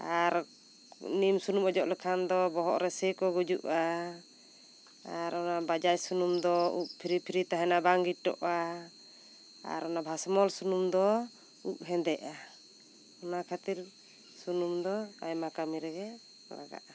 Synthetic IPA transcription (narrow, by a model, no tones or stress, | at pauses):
aɾ | nimsunumɔd͡ʒɔʔlɛkʰand̪ɔbɔɦɔʔɾɛsɛkɔɡud͡ʒuʔa | aɾɔnabad͡ʒajsunumd̪ɔuʔ̚pʰiɾipʰiɾit̪aɦɛnabaŋɡiʈːɔ̰ʔa | a̰ɾɔnabʱasmɔlsunumd̪ɔ | uʔ̚ɦɛnd̪ɛʔa | ɔnakʰat̪iɾ | sunumd̪ɔajmakamiɾɛɡɛ | la̰ɡa̰ʔa